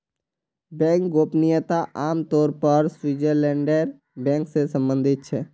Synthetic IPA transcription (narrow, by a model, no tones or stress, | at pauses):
bɛ̃ːŋkɡoːpnɪjət̪aʔaːmt̪ɔːɾpəɾswiːd͡ʒəɾlɛ̃ːɳɖeɾ | bɛ̃ːŋksesə̃mbə̃nd̪ʱɪt̪̚t͡ʃʰɛː